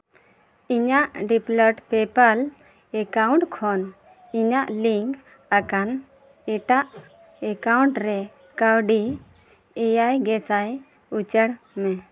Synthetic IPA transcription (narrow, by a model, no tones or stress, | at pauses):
iɲaʔɖiplɔʈpɛpal | ɛkawɳʈkʰɔn | iɲaʔliŋk | akan | ɛʈaʔ | ɛkawɳʈɾɛ | kawɖi | ɛjajɡɛsaj | ut͡ʃəɽ | mɛ